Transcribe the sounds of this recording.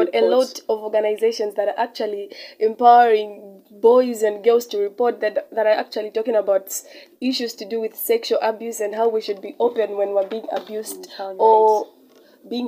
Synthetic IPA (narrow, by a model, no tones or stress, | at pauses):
ɾɨlɔtʌvɔɹɡənaɪzeɪʃə̃nzðɨɾə˞ʔak̚t͡ʃul̩ˠiɛ̃mpaʊə˞ɪ̃ŋ | bɔɪzɨ̃nɡɜlˠz̥tɨɹipɔɹt̚ððəɾə˞a̰k̚t͡ʃul̩ˠitɔkɪ̃ŋəbaʊtiʃʉz̥tʰɨdɨwɪð̥sɛkʃlˠʔabjʉsɨ̃nɦaʊwiʃɨd̚biʔoʊpɨ̃nwɛ̃nwiəbiɪ̃ŋə̰bjustə | biɪ̃ŋ